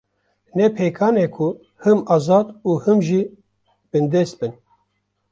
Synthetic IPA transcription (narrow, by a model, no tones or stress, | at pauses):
nɛpʰeːkʰaːneːkʰʊ | hɨmɑːzɑːd̪uːhɨmʒi | b̥ɨnd̪eːst̪̚bɨn